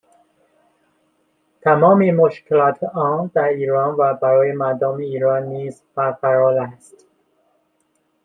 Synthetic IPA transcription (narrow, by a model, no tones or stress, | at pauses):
t̪ʰæmɒːmemoʃkʰelɒːt̪ʰɒːnd̪æɾiːɾɒːnvæbæɾɒːjemæɾd̪ɒːmeiːɾɒːnːiːz | bæɾfæɾɒːlæst̪